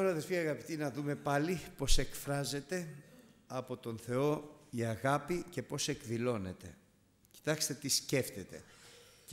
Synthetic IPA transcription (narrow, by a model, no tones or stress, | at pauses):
oɾɐðefiɐɣɐpit̪inɐðume̞pɐlipo̞se̞kfɾɐze̞t̪e̞ɐpo̞t̪o̞nθe̞o̞iɐɣɐpice̞po̞se̞kðilo̞ne̞t̪e̞̰ | ci̥t̪ɐkst̪e̞t̪isce̞ft̪et̪e̞̰